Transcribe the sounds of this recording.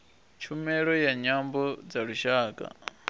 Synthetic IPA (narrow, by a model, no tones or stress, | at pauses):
t͡ʃʰumɛɺɔjaɲambɔd͡zaɺuʃaːkʼa̰